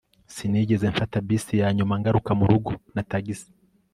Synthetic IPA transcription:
siniɟe̞zeɱfatabisijaːɲumaŋɡaɾukamuɾuɡunataɡisi̥

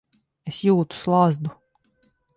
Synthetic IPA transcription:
esjuːt̪u̥slˠazd̪u

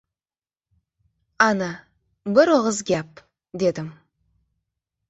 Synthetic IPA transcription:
ɑnɑ | bɪɾwəʁəzɡʲæp | d̪e̞d̪ɪm

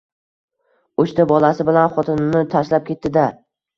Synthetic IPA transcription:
ʊt͡ʃt̪ʰabɒlˠasɪbɪlanχɒt̪ʰɪnnɪt̪ʰaʃlap̚kʲʰe̞t̪ːɪd̪a

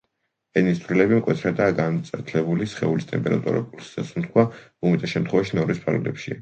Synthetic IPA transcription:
ɛnist̪sʰvɾilɛbimkʼwɛt̪ʰɾad̪aːɡant̪sʼɛɾt̪ʰlɛbulisχɛulist̪ʼɛmpʼɛɾa̰t̪ʼṵɾa̰kʼuɾsi̥sasumt̪̚ʰkʰwaumit̪ʼɛʃɛmt̪ʰχwɛvaʃinɔɾispʰa̰ɾɡlɛ̰pʃia

